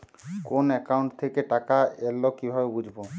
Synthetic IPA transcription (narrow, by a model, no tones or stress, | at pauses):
konɛkauɳʈt̪ʰekeʈakaelːokibʱabebud͡ʑʱbo